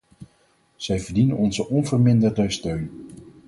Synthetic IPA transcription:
z̥ɛjvəɹdinənɔnzəʔɔnvəɹmɪndəɹdəstøɥn

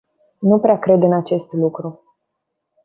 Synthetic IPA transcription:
nupɾeakɾe̞d̪ɨnat͡ʃe̞st̪lukɾu

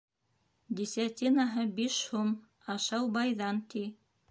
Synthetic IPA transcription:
d̪ʲisʲɑt̪ʲinaɦɤbiʃhum | ɑʃɑwbɑjðɑnt̪i

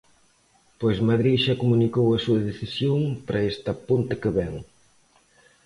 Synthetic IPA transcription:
pojzmaðɾiʃakomunikowɐsuɐðeθisjoŋpɾɐest̪ɐpunt̪ɪkeβɛŋ

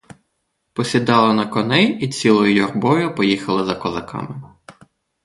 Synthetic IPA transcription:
pɔsʲid̪ɑlˠɐnɐkɔnɛjit͡sʲilˠɔjʊjɔrbɔjʊpɔjixɐlˠɪzɐkɔzɐkɑ̰mɪ

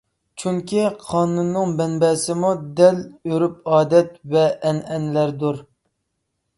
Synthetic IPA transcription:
t͡ʃʰyŋkʲiqʰɑːnunːɨŋbɛnbɛːsɪmud̪ɛløɾyp̚ɑːd̪ɛt̪̚vɛʔːnɛnlæɾd̪uɾ

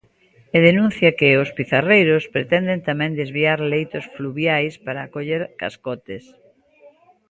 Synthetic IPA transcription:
eðenũn̟θjɐkɪʊspiθarejɾospɾet̪ɛnd̪ent̪amɛ̃ŋnd̪ezβiaɾlejt̪ʊsfluβjajspaɾaːkoʎeɾka̰skɔt̪ɪs

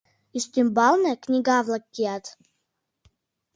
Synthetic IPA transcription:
iʃt̪ymbɑlnɤ̆knʲiɡɑβlˠɑkːiɑt̪

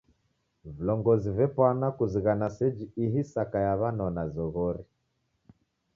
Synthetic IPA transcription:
vilɔŋɡɔzivɛpwanakuziɣanasɛd͡ʒiiɦisakajaβanɔnazɔɣɔɾi

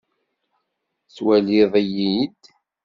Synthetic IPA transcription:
swæliðˤæjid̪

